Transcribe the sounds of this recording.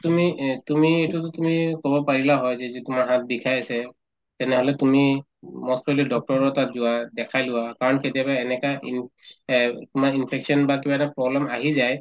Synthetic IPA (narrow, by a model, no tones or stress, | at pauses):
tumitumietutʊtumikobɔpaɹilaɦɔjzɛziitumaɹɦãt̪̚ʰdikʰajasɛ | tɛnɛɦɔlɛtumi | mɔstɔlidɔk̚tɔɹɔtatzʊwadɛkʰajlʊwakaɹɔnketijabaɛnɛkaʔin | tumaɹinpʰɛksɔnbakibaɛnɛpɹɔblɛmaɦizaj